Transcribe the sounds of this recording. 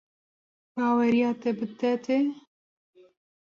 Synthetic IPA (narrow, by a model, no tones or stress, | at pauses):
b̥ɑːwɛɾijaːt̪ɛbɨd̪ɛt̪e